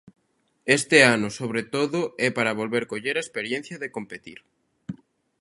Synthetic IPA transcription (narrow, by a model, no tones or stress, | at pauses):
est̪eanʊsoβ̞ɾet̪oðʊɛpaɾɐβ̞olβeɾkoʎeɾaespeɾjẽn̟θjɐðekompet̪ḭɾ